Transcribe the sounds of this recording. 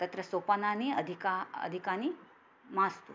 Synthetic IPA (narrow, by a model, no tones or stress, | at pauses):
t̪ɐt̪ɾəsopananiəd̪ʱikaə̰d̪ʱikani | mãst̪ṵ